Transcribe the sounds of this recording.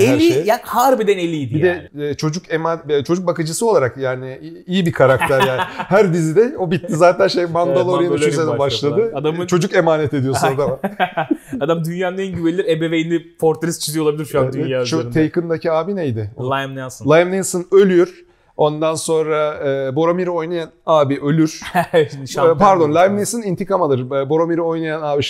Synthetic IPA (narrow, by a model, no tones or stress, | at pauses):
elʲijaːnhaɾbed̪ɛnelʲijd̪ibijd̪ɛːt͡ʃʰo̞d͡ʒukemant͡ʃʰo̞d͡ʒuk̚bakɯd͡ʒɯsɯo̞lˠaɾakjaːnɪ | ijibikʰaɾakt̪ʰæɾjaːnɪɦæɾd̪izid̪ɛo̞bit̪ːizaːt̪ʰænʃejmand̪alˠoɾɾajanɯynzenɛbaʃlˠad̪ɯad̪amt͡ʃʰo̞d͡ʒuke̞maːnɛt̪e̞d̪ijosunad̪ama | ad̪amd̪ynjaːnnɛnɟyvelʲilʲiɾebevejinɪpʰoɾt̪ʰaɾist͡ʃʰizijo̞lˠabilʲiɾʃujad̪yt͡ʃʰot̪ʰejkʰɯnd̪acʰiaːbinɛjd̪ɪolˠajmnɛsnlˠajmnesɯnølʲyjoɾ̥ | o̞nd̪anso̞nɾaɯːbo̞ɾomiɾio̞jnajanaːbiʔø̞lʲyɾ̥ | paɾd̪o̞nlʲˠajmnesɯnint̪ʰikamalˠɯɾbo̞ɾomiɾio̞jnajanaːbiʃ